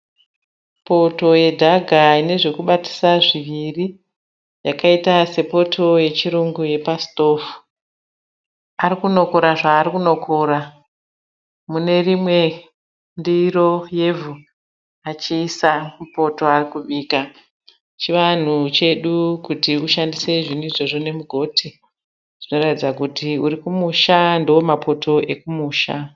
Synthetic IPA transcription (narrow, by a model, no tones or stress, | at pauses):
po̞to̞je̞dʱaɡʱaine̞ʐe̞kuɓati̥saʐiʋiri | jakaitase̞po̞tʰo̞je̞t͡ʃiɾuŋɡuje̞pasto̞ːfu̥ | aɾikuno̞ko̞ɾaʐaːrikuno̞kʰoɾa | mune̞rimwe̞ | ndiro̞je̞vʱu | at͡ʃiːsamupo̞toarikuɓiːka | t͡ʃiʋan̤ut͡ʃe̞ɗukutiuʃandise̞ʐiniʐo̞ʐone̞muɡʱo̞tʰi | ʐ̥ino̞ratid͡zakutʰiuɾikumuʃandowomapʰo̞tʰo̞e̞kumuːʃa